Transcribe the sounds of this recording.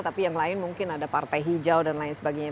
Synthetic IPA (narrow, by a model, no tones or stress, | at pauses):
t̪apijaŋlaɪnmuŋkɪnadapart̪ajɦid͡ʒawdanlaɪnsəbaɡajɲa